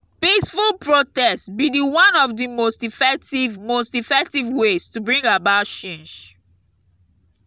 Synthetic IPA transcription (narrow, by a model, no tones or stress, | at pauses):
pisfulˠpɹotɛstbidiwãnɔvdimostifɛk̚tivmostifɛk̚tivwestubɹĩŋɡabatʃẽnd͡ʒ